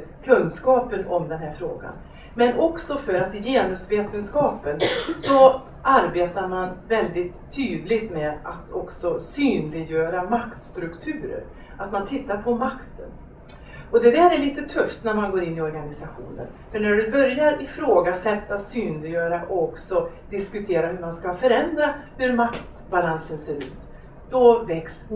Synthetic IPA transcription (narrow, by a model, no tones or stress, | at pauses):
kʰɵnskɑːpənɔmd̪ɛnɦæːɾfɾo̰ːɡa̰n | mɛnʔɔksɔfœɾat̪ɪjeːnɵsveːt̪ənskɑːpənsɔ | ʔaɾbeːt̪aɾmanvɛld̪ɪt̪ʰːyːd̪lɪɡt̪mɛːd̪at̪ʰɔksɔsyːnlɪɡjœːɾamakt̪st̪ɾɵkt̪ʰʉ̟ːɾə̰ɾ | at̪mant̪ʰɪt̪ːaɾpʰɔmakt̪ʰən | ɔd̪ɛd̪æːɾæɭiːt̪ət̪ʰɵft̪næɾmanɡoːɾɪnːɪɔɾɡanɪsaɧṵːnə̰n | fœɳæɖɵbœɾjaɾɪfɾoːɡasɛt̪ːasyːnlɪjøːɾaʔɔɔksɔd̪ɪskɵt̪ʰeːɾahɵɾmanskafœɾɛnd̪ɾahɵɾmakt̪ | balansənseːɾʉ̟̰ːt̪ | d̪̥ɔvɛkst̪